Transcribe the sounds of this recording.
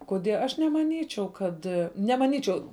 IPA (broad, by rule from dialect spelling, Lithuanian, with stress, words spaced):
koːˈdʲiɛ ɐʃ nʲɛmɐˈnʲiːt͡ʃʲɛʊ ˈkɐt nʲɛmɐˈnʲiːt͡ʃʲɛʊ